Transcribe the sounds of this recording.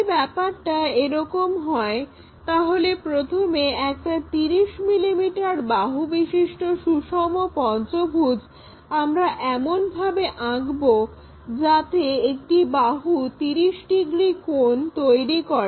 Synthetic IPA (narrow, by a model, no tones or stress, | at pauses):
bɛpaɾʈaeɾɔkomɦɔe | t̪aɦolepɾot̪ʰomeɛk̚ʈat̪iɾiʃmilimiʈaɾbaɦubiʃiʃʈoʃuʃɔmopɔnt͡ɕobʱud͡ʑʱ | amɾaʔɛmonbʱabeʔaɡbo | d͡ʑat̪eek̚ʈibaɦut̪iɾiʃɖiɡɾikont̪ojɾikɔɾe